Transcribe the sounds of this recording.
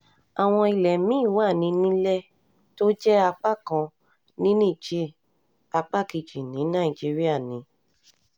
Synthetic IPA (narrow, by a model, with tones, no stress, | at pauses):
a˨w̃ɔ̃˧i˧lɛ˨mĩ˨˦˨wa˦˨nĩ˧nĩ˦lɛ˦ | to˦d͡ʒɛ˦a˧k͡pa˦kã˧ | nĩ˦nĩ˦˨d͡ʒe˦ | a˧k͡pa˦ki˨d͡ʒi˨nĩ˨˦nã˦˨i˨d͡ʒi˦ɾi˦a˦˨nĩ˨˦